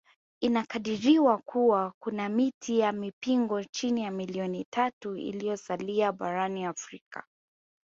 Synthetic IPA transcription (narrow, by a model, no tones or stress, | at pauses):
inakaɗiɾiwakuwakunamitʰijamipiŋɡɔt͡ʃinijamiliɔnitʰatuḭlijɔsaliaɓaɾaniafɾika̰